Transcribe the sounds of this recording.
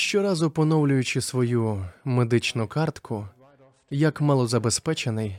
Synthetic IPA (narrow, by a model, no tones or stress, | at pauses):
ʃt͡ʃɔɾɑzʊpɔnɔwlʲʊjʊt͡ʃɪsʋɔjumed̪ɪt͡ʃnʊkɑrt̪kʰʊ | jɐkmɐlˠɔzɐbespɛt͡ʃenɪj